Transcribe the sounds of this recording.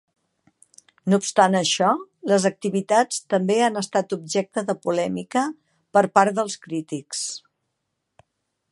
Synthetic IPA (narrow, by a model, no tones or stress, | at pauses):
nupst̪anəʃɔləzək̚t̪iβit̪at͡st̪əmbeanəst̪at̪ub̚ʒɛk̚t̪əðəpulɛmikə | pəɾpaɾðəlˠskɾit̪iks